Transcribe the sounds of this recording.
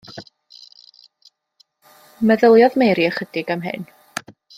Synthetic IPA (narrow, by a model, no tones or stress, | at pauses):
mɛðəlˠjɔðmejɾiəχədɪɡamɦɨ̰n